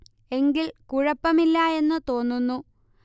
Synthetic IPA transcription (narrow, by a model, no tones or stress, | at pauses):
e̞ŋɡilkuɻɐpːɐmilːɐe̞nːɨt̪o̞ːnːunːu